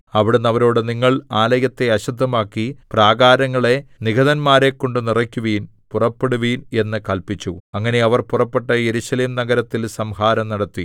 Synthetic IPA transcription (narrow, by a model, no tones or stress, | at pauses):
ɐʋiɽunːɐʋɐɾoːɽeniŋːɐɭaːlɐjɐt̪ːe̞ɐɕud̪ʱːɐmaːkːipraːɡaːɾɐŋːɐɭe̞niɡɐðɐnmaːɾe̞kːo̞ɳɖɨnirɐkʲːuʋiːn | purɐpːeɽuʋiːne̞nːɨkɐlpit͡ɕːuɐŋːɐne̞ɐʋɐrpurɐpːeʈːɐje̞ɾuːɕɐleːmnɐɡɐɾɐt̪ːilsɐmhaːɾɐmnɐɽɐt̪ːi